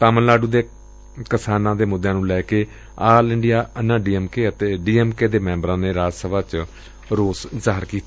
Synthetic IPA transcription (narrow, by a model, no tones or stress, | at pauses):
t̪aːmənlaːɖuːd̪eː | kɪsaːnãːd̪eːmʊd̪ʱːjãːnũːlɛːkeː | aːlɪɳɖijaːənãːɖiːɛːmkeːət̪eːɖiːɛːmkeːd̪eːmɛ̃ːmbɾãːneːɾaːd͡ʒsəbaːt͡ʃ | ɾoːszaːɦəɾkiːt̪ː